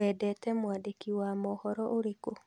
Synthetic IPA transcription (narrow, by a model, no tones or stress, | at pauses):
ɛːdɛtɛmwaːdekiwaːmɔhɔɾɔʔoɾeko